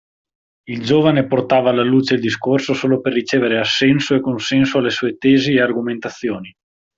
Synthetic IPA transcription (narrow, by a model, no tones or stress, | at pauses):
ild͡ʒoːvaneport̪aːvaːlːaluːt͡ʃeild̪iskorsosoːloperːit͡ʃeːveɾeasːɛnsoekonsɛnsoalːesuːet̪ɛːziearɡoment̪at̪sːjoːni